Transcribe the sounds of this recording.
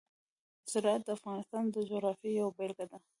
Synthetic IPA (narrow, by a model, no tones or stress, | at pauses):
zɪɾɑat̪̚d̪əafɣɑnɪst̪ɑnd̪əd͡ʒoɣɾɑfjijawbelɡad̪a